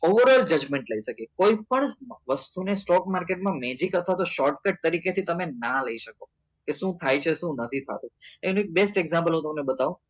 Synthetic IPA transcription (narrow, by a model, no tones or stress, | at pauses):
oʋəɾɔld͡ʒəd͡ʒmẽɳʈləiʃəkekoipəɳʋəst̪unesʈɔkmaɾkeʈmãmẽd͡ʒikət̪ʰʋat̪oʃɔɾʈ̚kəʈ̚t̪əɾiket̪ʰit̪əmenaləiʃəko | keʃũt̪ʰajt͡ʃʰeʃũnət̪ʰit̪ʰa̰t̪ũenũek̚besʈeɡzãmpəlɦũt̪əmnebət̪aʋũ